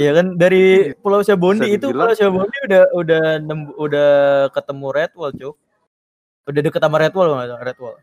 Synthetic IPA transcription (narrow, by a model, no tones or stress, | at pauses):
ijakandaɾipulawsiabondiːt̪upulawsiabondiudahudahnəmudahkət̪əmuɾet̪̚walt͡ʃʊ | udahdəkət̪amaɾet̪walaŋrɛt̪̚wal